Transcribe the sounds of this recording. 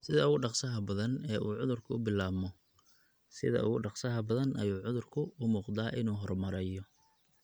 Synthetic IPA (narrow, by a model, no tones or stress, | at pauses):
sɪðɐʊɣʊɖɑqsɐɦɐbɐðɐnɛːʔuːʕʊðʊrkʰʊʊbɪlaːbmɔ | sɪ̰ðɐ̰ʊ̰ɣʊɖɑqsɐɦɐbɐðɐnʔɐjuːʕʊðʊrkʰʊʊmuːqd̪aːʔɪnuːɦɔrmɐɾɛːjɔ